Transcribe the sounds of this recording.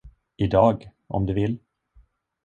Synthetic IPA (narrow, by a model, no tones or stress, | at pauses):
ɪd̪ɑːɡ | ʔɔ̰md̪ɵvɪlː